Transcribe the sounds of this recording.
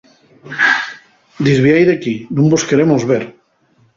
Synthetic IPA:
d̪izβiajðeakinũmboskeɾemozβeɾ

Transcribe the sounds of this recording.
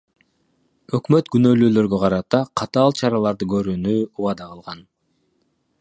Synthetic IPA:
ø̞kmø̞t̪ɡynø̞ːlyːlø̞ɾɡø̞qʰɑɾɑt̪ɑqʰɑt̪ɑːlˠt͡ʃʰɑɾɑlˠɑɾd̪ɯɡø̞ɾyːnyuwɑd̪ɑʁɯlˠʁɑn

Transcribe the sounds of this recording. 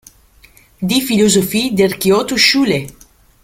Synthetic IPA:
d̪ifilozofid̪arkeot̪uʃule

